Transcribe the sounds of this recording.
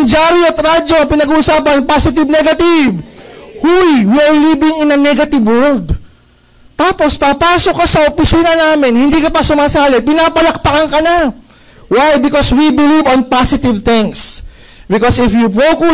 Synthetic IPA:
ŋd͡ʒaɾiot̪ɾad͡ʒoɐpɪnɐɡuːʔʊsaːpɐnnpasɪt̪̬ɪvnɛɡɐt̪ɪvhujwiʔɐɹlibɪŋɪnɐŋnɛɡɐt̪ɪvwɛld̪̚ | t̪aːpo̞spapaːsokɐsɐʔopɪsiːnɐnaːmɪnhɪnd̪iːkɐpɐsʊmaːsaːlɛpɪnaːpɐlɐk̚pɐkɐŋkɐna | wajbɪkoswibɪlivɔnpasɪt̪ɪvt̪ɪ̃ŋs | bɪkosɪfjupoku

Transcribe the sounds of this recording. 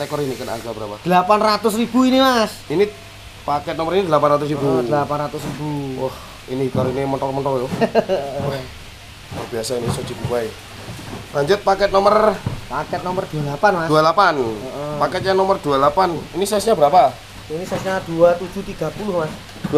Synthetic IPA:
sakɔɾinikəna̰ɡabəɾapad̥̪əlapanrat̪ʊs̬rib̥uinimasini | pakɛt̪̚nɔməɾinid̪əlapanrat̪ʊs̬ribud̥̪əlapanrat̪ʊs̬rib̥uwɔh | inikaɾoiniməntɔmənt̪ɔjo | a̰biasainiso̥d͡ʒ̥i̤b̪ukuae | baɲd͡ʒʊt̪̚pakɛt̪̚nɔmərpakɛt̪̚nɔmərd̪̥ualapanmadualapanɔʔɔpakɛt̪̚ɲanɔmərd̪̥uad̪lapaninisasɲabəɾapa | inisasɲad̪̥uat̪u̥d͡ʒ̥ṳt̪iɡ̥a̤pulʊhmas | dd

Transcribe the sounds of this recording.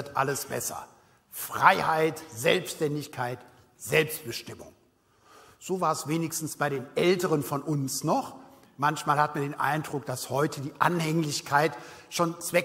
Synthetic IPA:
ɐtʔa̰ləsb̥ɛ̰sɐ̰ | fʁ̥a̰ɪhaɪtz̥ɛ̰lpsʃtɛndɪçkʰaɪt | z̥ɛlpst̚b̥əʃtɪmʊ̰ŋ | z̥oːvaːɐɛsv̥eːnɪçstn̩sb̥aɪɾeːnʔɛltəʁənfɔnʔʊnsnɔχ | mançmaːlhatmandeːnʔa̰ɪndʁʊk̚d̥ashɔʏtʰədiːʔa̰nhɛŋlɪçkʰaɪtʃoːnt͡sv̥ɛ

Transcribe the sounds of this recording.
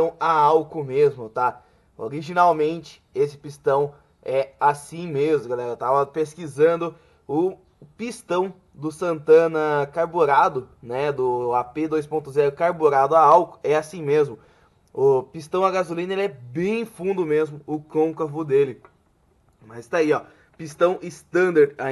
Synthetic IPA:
ɐ̃w̃aawkʊmezmʊt̪a | o̰ɾiʒinawmẽnt͡ʃɪ̥esɪ̥pist̪ɐ̃w̃ | ɛasĩmezmʊɡalɛɾɐt̪avɐpeskizɐ̃nd̪ʊ | ʊ | pist̪ɐ̃w̃ | d̪ʊsɐ̃nt̪ɐ̃nɐkaɾboɾad̪ʊnɛd̪ʊaped̪ojs̬põnt̪ʊzɛɾʊkaɾboɾad̪ʊaawkʊ̥ɛasĩmezmʊ | ʊpist̪ɐ̃w̃ɐɡazulĩnɐelɪɛbẽj̃fũnd̪ʊmezmʊʊkõkɐvʊd̪elɪ | mazd̪aiɔ | pist̪ɐ̃w̃ɪst̪ɐ̃nd̪aɾã

